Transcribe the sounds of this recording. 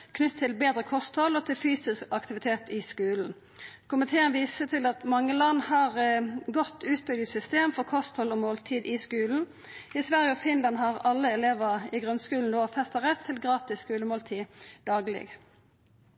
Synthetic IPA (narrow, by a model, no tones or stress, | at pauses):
kʰnʏt̪ʰːɪlbeːd̪ʁəkʰɔst̪hɔlɔt̪ʰɪlfyːsɪskɑkt̪ɪʋɪt̪ʰeːt̪ɪskʉːln̩ | kʊmɪt̪ʰeːənʋiːsət̪ʰɪlɑt̪mɑŋːəlɑnːhɑʁɡɔt̪ʰːʉːt̪̚bʏɡ̪ɪsʏst̪eːmfɔʁkʰɔst̪hɔlɔmoːlt̪ʰiːd̪ɪskʉːln̩ | ɪsʋæʁjəɔfɪnlɑnhɑʁɑlːəɛleːʋəɪɡʁʉnskʉːln̩d̪oːfɛst̪ɑʁɛt̪ʰːɪlɡʁɑːt̪ɪsskʉːləmoːlt̪ʰiːd̪ɑːɡlɪ̰ɡ